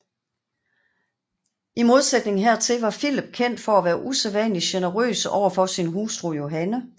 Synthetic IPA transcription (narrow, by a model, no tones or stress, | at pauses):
ʔimo̝ð̞ˠsed̥ne̝ŋnɦeɐ̰t͡sʰe̝lʋɑ̈filəb̥̚kʰen̰d̥fɒ̽æʋæːɐʔuseðˠʋænliɕenəʁø̰ːsɒ̰ʊ̰ɐfɒ̽sinɦuːsd̥ʁujo̝ɦænə